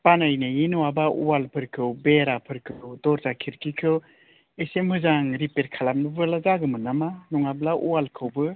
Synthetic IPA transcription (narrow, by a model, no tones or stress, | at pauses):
panajnajinuwabaʔṵwalpʰɯɾkʰɯwbeɾapʰɯɾkʰɯwdɔɾzakʰiɾkʰikʰɯw | esemhɯzaŋɾipeɾkʰalap̚nɯbɯlazaɡɯmɯnamanuŋablaʔṵwalkʰɯwbɯ